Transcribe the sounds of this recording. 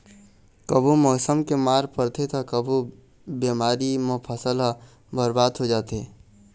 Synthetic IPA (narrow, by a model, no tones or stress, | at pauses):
kəbʱumɔːsəmkemaːɾpəɾt̪ʰet̪ɔkəbʱu | bemaːɾimẽpʰəsəlɦ | bʱəɾbaːd̪ɦod͡ʒaːt̪e